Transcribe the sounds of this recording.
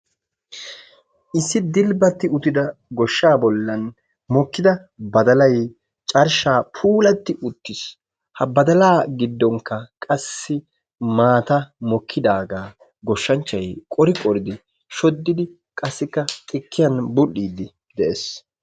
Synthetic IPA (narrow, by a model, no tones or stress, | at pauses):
ʔɪsːɪd̪ɪlbɐt̪ːɪʊt̪ɪd̪ɐɡɔʃːaːbɔlːɐn | mɔkːɪd̪ɐ | bɐd̪ɐlɐj | t͡ʃʼɐɾʃaːpʰuːlɐt̪ːɪʔʊt̪ːɪs | hɐbɐd̪ɐlaːɡɪd̪ːɔŋkːɐkʼɐsːɪ | maːt̪ɐmɔkʰːɪd̪aːɡaː | ɡɔʃːɐnt͡ʃːɐjkʼɔɾɪkʼɔɾɪd̪ɪ | ʃɔd̪ːɪd̪ɪ | kʼɐsːɪkːɐtʼɪkːɪjɐnbʊɗiːd̪ɪ | d̪ɛʔes